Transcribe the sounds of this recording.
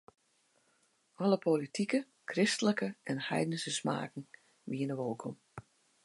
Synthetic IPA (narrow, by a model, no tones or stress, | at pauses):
ɔləpolitʰikə | kʰrɪstələkəʔɛnhɛ̰jdənsəsma̰ːkn̩ | ʋiənəʋolˠkʰɔm